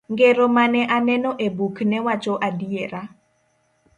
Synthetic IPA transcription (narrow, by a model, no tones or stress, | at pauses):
ŋɡeɾomanɛʔanɛnɔʔebuknɛwat͡ʃoʔadieɾa